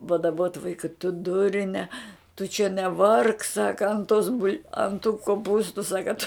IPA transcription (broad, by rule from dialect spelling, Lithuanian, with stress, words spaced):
pɐdɐˈboːt ˈʋɐɪkɐ tʊ ˈdʊrʲnʲɛ tʊ t͡ʃʲɛ nʲɛˈʋɐrk ˈsɑːkɐ ɐnt toːs bʊlʲ ɐn tuː koːˈpuːstʊ ˈsɑːkɐ tʊ